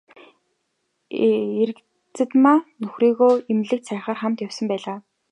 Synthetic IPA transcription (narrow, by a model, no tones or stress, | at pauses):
eɾ̆k | t͡sɘ̆t̪maːnɵxriːɣoːemɮɘ̆k̚t̪sʰæːχaːrχamt̪jawsə̆mpæːɮaː